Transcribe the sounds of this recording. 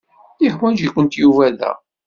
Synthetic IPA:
ɪħwænʒikʷːənt̪juvæðæ̰

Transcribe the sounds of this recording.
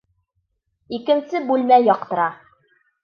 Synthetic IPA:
ikɘ̆nsɘbʉlmæjɒq̚t̪ɤ̆ɾɑ

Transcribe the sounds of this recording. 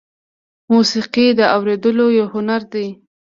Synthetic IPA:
musiqid̪əawɾed̪əlojawhʊnaɾd̪e

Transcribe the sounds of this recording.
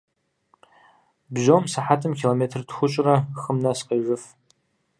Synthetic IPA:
bʒoːmsaħatʰɨmkʰʲiloːmeːtʰrtʰxʷʊt͡ʃʼɪrɐxəmnɐsqeʒɨf

